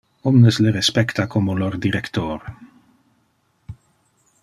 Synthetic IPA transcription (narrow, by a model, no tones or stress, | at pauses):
ɔmnəsleɾɛspɛkt̪akʰomolord̪iɾɛkt̪oːɾ